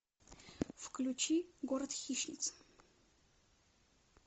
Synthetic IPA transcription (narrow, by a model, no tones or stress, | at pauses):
fklʲut͡ʃiɡoɾɐt̪xʲiʃnʲɪ̰t̪s